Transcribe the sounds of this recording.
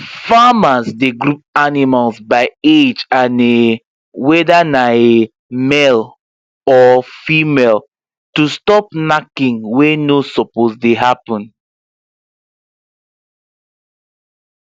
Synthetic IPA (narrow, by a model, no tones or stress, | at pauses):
famasdeɡɹup̚animalsbaɪed͡ʒãne | wɛdanae | mɛl | ɔfimɛl | tustɔp̚nakĩŋwenosɔposdeɦapɔ̃n